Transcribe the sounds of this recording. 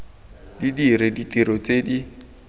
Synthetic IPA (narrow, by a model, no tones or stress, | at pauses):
didiɾɪditʼiɾɔt͡sedi